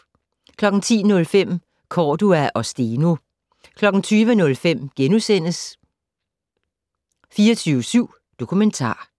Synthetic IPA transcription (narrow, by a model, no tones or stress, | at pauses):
kʰlɒ̽ɡ̥n̩t͡sʰḭːnɔ̽lfem̰ | kʰɒːd̥uæʔɒ̽sd̥ino | kʰlɒ̽ɡ̥n̩t͡sʰyːʋənɔ̽lfem̰ɡ̥enusen̰əs | fiːɐt͡sʰyːʊəsyʊ̰ | d̥o̝kʰument͡sʰɑ̰̈ː